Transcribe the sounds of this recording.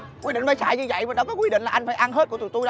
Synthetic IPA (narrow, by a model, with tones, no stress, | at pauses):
kwi˧ɗḭ˧˨ŋfaː˧˩sa̰ː˧˨jɲɨ˧zə̰˧˨jvəː˨˩ɗɔ˨˦kɔ˨˦kwi˧ɗḭ˧˨ŋ̟laː˨˩ʔa˧jŋ̟faː˧˩jʔa˧nɦe˦˥t̚ku˧˩ət̪t̪u˧